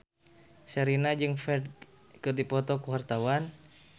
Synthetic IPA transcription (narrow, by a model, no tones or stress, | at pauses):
səɾinad͡ʒɨŋfɛrd̚ | kɨdipɔt̪ɔkəwart̪awan